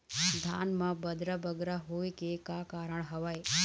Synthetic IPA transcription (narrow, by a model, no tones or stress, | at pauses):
d̪ʱa̰nmãbəd̪ɾabəɡɾaɦoːjkekakaːɾəɳɦəʋaj